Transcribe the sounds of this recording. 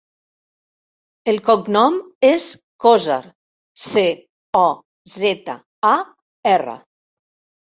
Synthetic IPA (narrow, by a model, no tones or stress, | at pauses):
elˠkɔknɔmes | kɔza̰ɾ | se | ɔ | zɛt̪a̰ | a | ɛrə̰